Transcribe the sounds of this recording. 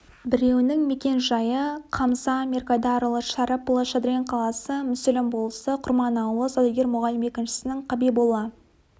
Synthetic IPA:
bɪɾe̞wɪnɪŋme̞kʲe̞nʒɑjəqʰɑmzɑmʲerkad̪ɑɾlˠəʃɑɾɑplˠoʃɑd̪ɾʲenqʰɑlˠɑsəmʏsɪlʲɪmbolˠsəqʰʊɾmɑnɑwlˠəsod̪eɡʲeɾmʊʁɑlɪme̞kʲɪnʃɪ̥sɪnɪŋqʰɑbijbolˠːɑ

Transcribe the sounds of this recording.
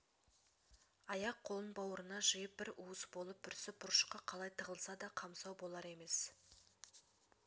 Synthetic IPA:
ɑjɑqʰːo̞lˠənbɑwəɾənɑʒəjəp̚bɪɾuəsbo̞lˠəp̚ːʰʏɾsɪbʊɾʃqɑqʰɑlˠɑjt̪ʰəʁəlˠsɑd̪ɑqʰɑmsɑwbo̞lˠɑɾe̞me̞s

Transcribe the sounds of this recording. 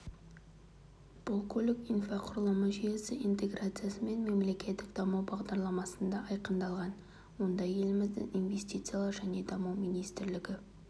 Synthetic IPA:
b̥ʊlˠkʲʰɵlɪkijnfaqʰʊɾəlˠəməʒijesɪint̪e̞ɡɾat̪sɨjasəme̞nme̞mle̞kʲe̞t̪ːɪkd̪ɑməwbɑʁd̪ɑɾlˠɑmɑsənd̪ɑʔɑjqənd̪ɑlˠʁɑn | wo̞nd̪ɑje̞lɪmɪzd̪ɪ̰ŋinve̞st̪it̪sɨjalˠɑɾʒæne̞d̪ɑməwminijst̪ɪɾlɪɡʲɪ

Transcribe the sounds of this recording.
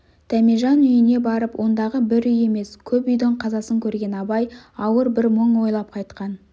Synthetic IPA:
t̪ʰæmiʒɑnʏjɪne̞bɑɾəpwʔo̞nd̪ɑʁəbɪɾʏje̞me̞skʲʰɵpʏjd̪ɪɴqʰɑzɑsəŋkʲʰɵɾɡʲe̞nɑbɑjɑwəɾbɪɾməɴwo̞jlˠɑp̚qʰɑjt̪qɑn

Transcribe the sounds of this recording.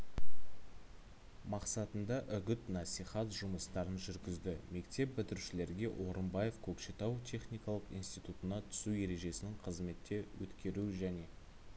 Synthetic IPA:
mɑqsɑt̪ənd̪ɑʔʏɡʲʏt̪nɑsijχɑt̪ʒʊməst̪ɑɾənʒʏɾɡʲɪzd̪ɪme̞kt̪e̞p̚bʏt̪ɪɾʃɪle̞ɾɡʲe̞ʔo̞ɾəmbɑje̞fkʲʰɵkʃet̪ɑwt̪ʲʰe̞χnijkɑlˠəqijnst̪ijt̪ut̪ənɑt̪ʰʏ̥sue̞ɾe̞ʒe̞sɪnɪŋqʰəzme̞t̪ːe̞wɵ̰t̪kʲe̞ɾuʒæne̞

